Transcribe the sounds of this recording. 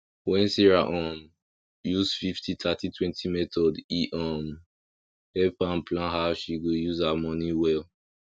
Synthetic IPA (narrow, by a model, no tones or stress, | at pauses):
wɛ̃nsiɹaʔɔ̃m | juzfiftʰitʰatitʰwɛ̃ntʰimɛtʰɔdiʔɔm | hɛpãnplãnɦaʃiɡojuzhamɔniwɛl